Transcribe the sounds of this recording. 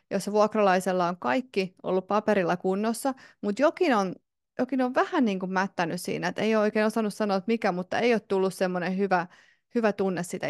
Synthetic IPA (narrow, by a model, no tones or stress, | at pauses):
josʋuɑkrɑlɑiselːɑoŋkɑikːiʔo̰lːuppɑpeɾilːɑkunːosːɑmut̪jokinon | jokinoʋʋæhænniːŋkummæt̪ːænyssḭːnæet̪ḛijooikeːnosɑnːussɑnoːt̪mikæmut̪ːɑeijoːt̪t̪ulːussemːonehyʋæ | hyʋæt̪unːessit̪æ̰